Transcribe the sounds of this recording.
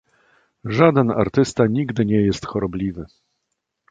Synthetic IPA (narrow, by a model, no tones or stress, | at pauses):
ʐad̪ɛna̰ɾt̪ɘst̪aɲiɡd̪ɘɲɛjɛst̪xɔɾɔblʲivɘ